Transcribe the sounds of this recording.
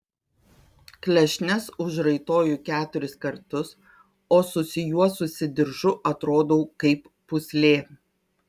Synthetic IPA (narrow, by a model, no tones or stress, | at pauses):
klʲɛʃʲnʲɛsʊʃɾɐɪt̪oːjukʲæːt̪ʊɾʲɪskɐɾt̪ʊs | oːsʊsʲɪjuɔsʊsʲɪd̪ʲɪɾʒʊʔɐt̪ɾoːd̪oʊkɐɪpːʊsʲlʲeː